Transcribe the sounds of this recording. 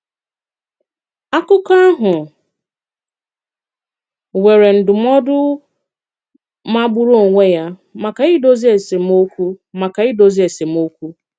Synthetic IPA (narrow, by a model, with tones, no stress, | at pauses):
a˦kʊ˦ka˦a˦ɦʊ˨ | we˨ɾe˨n̩˨dʊ˨m˦ɔ˦dʊ˦ | ma˦bʊ˦ɾo˦˨ŋʷe˦ja˦ma˨ka˨ɪ˦do˦zi˦e˨se˨m̩˦o˦kʷu˦ma˨ka˨ɪ˦do˨zi˦e˨se˨m̩˦o˦kʷu˦